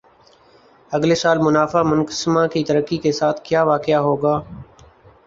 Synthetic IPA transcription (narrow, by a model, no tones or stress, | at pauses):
əɡleːsaːlmʊnaːfaːmʊnkəsmãːkiːt̪əɾəkːiːkesaːt̪ʰkjaːʋaːkɪjaːɦoːɡaː